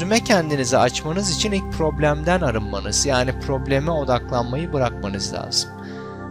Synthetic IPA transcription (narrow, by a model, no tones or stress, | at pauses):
ymɛcʰɛnd̪inizɛat͡ʃmanɯzit͡ʃʰinilʲc̚pʰɾo̞blʲæmd̪ænaɾɯnmanɯz̥jaːnipʰɾo̞blʲemɛo̞d̪aklˠanmajɯbɯɾak̚manɯzlʲa̰ːz̥ɯmm